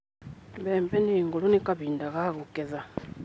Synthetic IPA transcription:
mbeːmpeniŋɡulunikaβiːndakaɣukeza

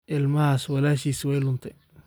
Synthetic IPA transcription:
ʔɪlmɐhaːswɐlaːʃiːswɛjlʊnt̪ʰɐ

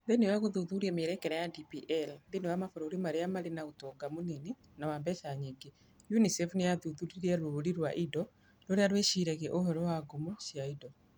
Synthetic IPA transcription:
ðenewaɣoðuðuɾiɛmeɾɛkɛɾɛjadipiʔɛlnðenewamafoɾoɾimaɾeamaɾenaotɔŋɡamonini | nawambɛʃaɲiŋɡe | junisɛfnejaðuðuɾiɾiaɾoɾiɾwaʔidɔ | loɾeaɾweʃiɾɛɣeʔohɛɾɔwaɡomoʃjaidɔ

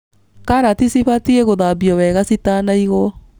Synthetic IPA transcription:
kaɾatisiβatieɣoðabiɔwɛɣasitanaiɣɔ

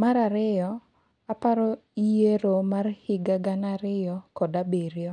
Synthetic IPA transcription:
maɾaɾɪjɔ | apaɾoijeɾomarhɪɡaɡanaɾɪjɔkɔdabeɾjɔ

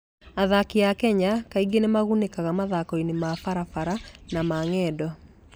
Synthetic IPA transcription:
aðakiakɛɲakaiɡenemaɣunekaɣamaðakɔinemafaɾafaɾanamaŋɛːdɔ

